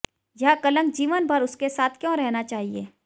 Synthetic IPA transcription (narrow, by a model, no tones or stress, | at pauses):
jɐɦkɐlə̃ŋɡ̚d͡ʒiːʋənbʱɐɾʊskesaːt̪ʰkjõɾɛɦnat͡ʃaːɦiḛː